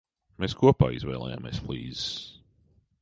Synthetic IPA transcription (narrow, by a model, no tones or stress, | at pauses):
meːskuɔpa̰ːḭzvɛ̰ːlˠɛ̰ja̰ːmḛsflˠḭːzs